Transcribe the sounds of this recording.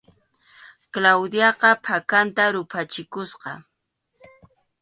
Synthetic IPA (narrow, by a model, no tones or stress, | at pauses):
klawd̪jɑqɑpʰakant̪aɾʊpʰat͡ʃɪkʊsqɑ